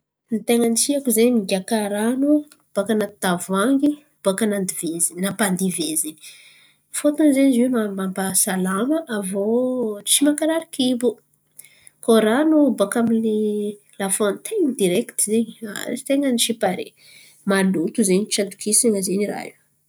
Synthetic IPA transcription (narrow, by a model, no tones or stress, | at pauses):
nit̪eŋənisiakuzeɲiiɡʲakaɾanu | b̥akanat̪avaŋɡi | b̥akanand̪ivezininapand̪ivezini̥ | fot̪anzenizemamambasalaməʔavot͡ʃimakaɾaɾikibu | koɾanubakamini | lafont̪ʰeŋnid̪iɾekt̪izeɲia̰it̪eŋəniʃipaɾḛ | malut̪uzeɲt͡ʃant̪u̥kisaŋəzenira̰ɦi